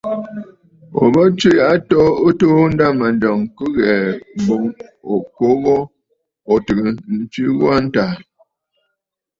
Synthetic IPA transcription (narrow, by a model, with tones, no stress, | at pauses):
o̰˨bə˦t͡ʃi˦ja˨ʔa˦tɔ˦ə˦to˦n̩˦da˦ma˨ndɔ˨ŋkə˦ɣɛ˨m˨bo˨ŋo˨ko˦ɣɔ˦ | ɔ˨tɨ˨kə˨n̩˦t͡ʃi˦ɣwa˦n̩˦ta˨